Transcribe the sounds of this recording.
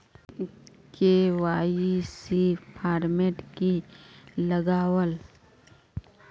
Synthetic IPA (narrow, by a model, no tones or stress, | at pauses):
kewaːjisipʰaːɾmeʈki | ləɡaːwəl